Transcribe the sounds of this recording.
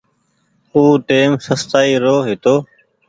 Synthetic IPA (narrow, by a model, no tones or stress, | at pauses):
uːʈeːmsəst̪aːiːɾoːɦɪt̪oː